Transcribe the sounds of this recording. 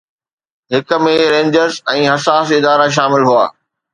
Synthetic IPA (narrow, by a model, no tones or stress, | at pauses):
ɦɪk̆mẽɾẽːɲd͡ʑəɾzɛ̃ːɦɐsaːsɪd̪aːɾaʃ̬aːmɪlɦua̰ː